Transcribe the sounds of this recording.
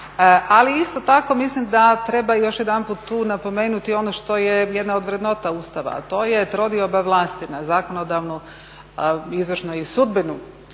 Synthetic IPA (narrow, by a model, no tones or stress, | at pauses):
ʔaliist̪o̞t̪ako̞mislimd̪at̪ɾe̞bajo̞ʃjed̪anput̪ːuːnapo̞me̞ːnut̪io̞noʃt̪o̞jejed̪nao̞d̪ʋɾed̪no̞t̪aust̪aʋa̰t̪o̞jet̪ɾo̞d̪iobaʋlˠaːst̪inazakonod̪aʋnu | izʋrʃnoisud̪binu